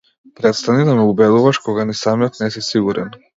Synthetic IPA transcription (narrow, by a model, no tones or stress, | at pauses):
pɾɛt̪st̪anid̪amɛubɛd̪uvaʃkɔɡanisamijɔt̪nɛsisiɡuɾʔɛn